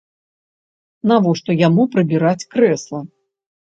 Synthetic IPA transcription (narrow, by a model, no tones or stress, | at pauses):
navɔʂt̪ɔjamupɾɨbʲiɾat͡sʲkɾɛslˠɐ